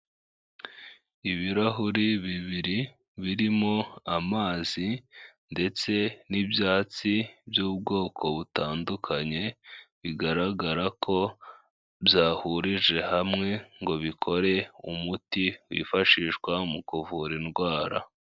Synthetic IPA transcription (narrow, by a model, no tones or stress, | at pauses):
iβiɾaɦuɾiβiβiɾi | βiɾimo̞amaːz̥inde̞t͡se̞nibjaːt͡sibjuːb̚ɡo̞ːkʰo̞βutaːndukʰaɲe̞βiɡaɾaɡaɾakʰo̞ | bjaːhuɾiʒe̞hamŋe̞ŋɡo̞βikʰo̞ɾe̞umutiwḭːfaʃiːʃkwamukuvuɾinɡwaːɾa̰